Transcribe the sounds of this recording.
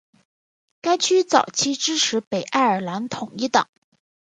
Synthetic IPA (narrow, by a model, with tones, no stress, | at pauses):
ka˥ɪt͡ɕʰy˥t͡sɑ˨˩ʊt͡ɕʰi˥ʈ͡ʂɻ̩˥ʈ͡ʂʰɻ̩˧˥pe˨˩ɪʔa˥˩ə˞˨˩la˧˥nt̪ʰʊ˨˩ŋi˥˩t̪ɑ̰˨˩˦ŋ